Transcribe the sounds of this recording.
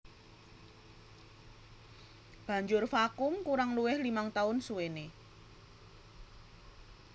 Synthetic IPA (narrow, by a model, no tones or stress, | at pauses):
b̥a̤ɲd͡ʒʊrfakʊŋkuɾaŋluwɪhlimaŋt̪aʊnsuwene